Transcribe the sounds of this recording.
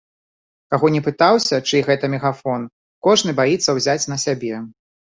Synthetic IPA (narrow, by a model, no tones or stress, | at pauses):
kaɣɔnʲɛpɨt̪awsʲɐt͡ʂɨɣɛt̪ɐmʲɛɣafɔn | kɔʐnɨbajit̪sːɐwzʲat͡sʲnɐsʲabʲɛ